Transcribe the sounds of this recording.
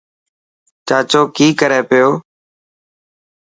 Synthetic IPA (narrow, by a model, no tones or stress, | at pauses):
t͡ʃaːt͡ʃoːkiːkəɾeːpɪjoː